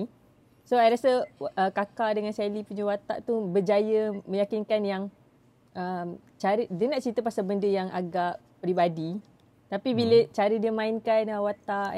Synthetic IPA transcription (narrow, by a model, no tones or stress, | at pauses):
soajɾasəəkakaldəŋãnsɛlipuɲəwat̪a̰ʔt̪ubərd͡ʒajəmə̃jakinkanjaŋ | ʔəm | t͡ʃaɾədiənaʔt͡ʃit̪əpasabəndəjaŋʔa̰ɡaʔ | pɾibadi | t̪apibilət͡ʃaɾidiəmãɪnkanəwat̪aʔ